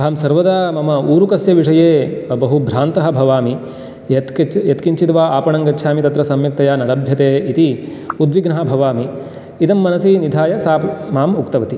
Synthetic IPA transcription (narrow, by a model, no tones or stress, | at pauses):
aːmsɐɾʋɐd̪aːmɐmɐuːɾukɐsjɐʋiʂɐjeːbɐɦubʱɾaːnt̪ɐɦɐbʱɐʋaːmi | t̪jɐt̪kiɲt͡ʃit̪ʋaːaːpɐɳɐŋɡɐtːʃʰaːmit̪ɐt̪ɾɐsɐmjɐk̚t̪ɐjaːnɐlɐbʱjɐt̪eːit̪i | ud̪ʋiɡnɐɦɐbʱɐʋaːmi | it̪ɐmːɐnɐsinid̪ʱaːjɐsaːpmaːmukt̪ɐʋɐt̪i